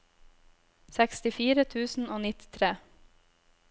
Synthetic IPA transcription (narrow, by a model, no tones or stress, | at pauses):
sɛkst̪ɪfiːɾət̪ʰʉːsn̩oːnɪt̪ɪ̥t̪ʰɾeː